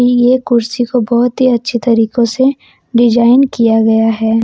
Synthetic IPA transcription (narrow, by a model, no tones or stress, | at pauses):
ijekʊɾsikobɔːʊt̪ɦiɐtːʃʰit̪ɐɾiːkõse | ɖɪd͡ʒaːɪnkijaɡɐjaɦɛː